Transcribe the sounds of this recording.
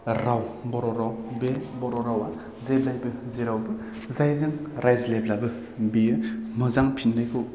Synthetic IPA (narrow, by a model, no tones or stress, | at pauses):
ɾawbɔɾɔɾawbebɔɾɔɾawa | zeb̚lajbɯzeɾawbɯ | zajzɯŋɾʔajzleblabɯ | bemɯzaŋpʰinːɯjkʰɯw